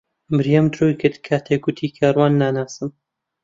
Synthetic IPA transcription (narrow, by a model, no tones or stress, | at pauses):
mɨɾjamt̪ɾoːjkɨɾd̪kʰaːt̪ʰeːɡut̪ʰiːkʰaːɾwɑːnːaːnaːsɨm